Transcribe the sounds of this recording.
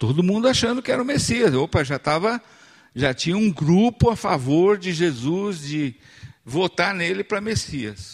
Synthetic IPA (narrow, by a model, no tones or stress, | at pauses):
t̪od̪ʊmũnd̪ʊaʃɐ̃nd̪ʊkɪɛɾɐũmesiɐsopɐʒat̪avɐ | ʒat͡ʃĩɲɐũɡɾupʊafavoɾd͡ʒɪʒezuzd͡ʒɪ | vot̪aɾnelɪpɾɐmesiɐs